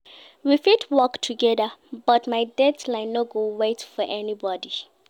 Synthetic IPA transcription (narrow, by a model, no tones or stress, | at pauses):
wifidwɔktʰuɡɛðəbʌtmaɪdɛdlãɪ̃nːɔɡowetfɔʔɛnibɔdi